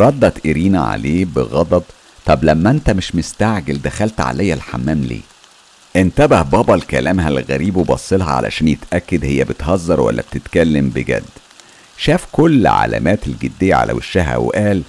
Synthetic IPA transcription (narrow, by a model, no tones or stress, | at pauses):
ɾˤɑd̪ːɑt̪ʔeɾiːnæʕa̰leːbeɣɑd̪ˤɑd̪ˤ | t̪ˤːɑblæmːæʔent̪æmeʃmest̪aʕɡeld̪æxælt̪ʕa̰læjːælħa̰mːæːmlḛː | ʔent̪æbæhbɑːbɑlkælæːmɦælɣæɾiːbwebɑsˤːelɦɑʕa̰lʔæ̰ʃæːnjet̪ʔækːed̪hejːæbet̪hɑzˤːɑɾˤwæ̰lːæ̰b̥̚t̪et̪kælːembeɡæ̰d̪ː | ʃæːfkolːʕa̰læ̰mæːt̪elɡed̪ːejːæ̰ʕa̰lʔæ̰weʃːæɦæ̰wḛʔæːl